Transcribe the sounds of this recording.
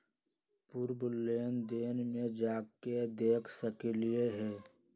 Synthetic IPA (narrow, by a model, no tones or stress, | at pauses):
puɾbʊlːeːnd̪eːnmẽd͡ʒaːked̪eːkʰsəkelieɦɛː